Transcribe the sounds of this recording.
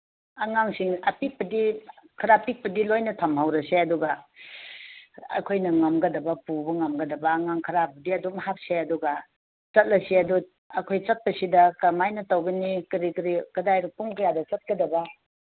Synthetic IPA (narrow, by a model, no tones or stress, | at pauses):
aŋaŋsiŋɐpik̚pɐdikʰɐɾapik̚pɐdilojnɐtʰɐmɦawɾɐseɐduɡa | a̰kʰojnɐŋamɡɐdɐbɐpubɐŋamɡɐdɐbɐːŋaŋkʰɐɾabɐdiɐdumɐhap̚seɐduɡa | t͡ʃɐt̚lɐsiɐdu | ɐkʰojt͡ʃɐt̚pɐsidɐkɐmajnɐtawɡɐnikɾikɾikɐdajɾupuŋkʰɐjadɐt͡ʃɐt̚kɐdɐbɐ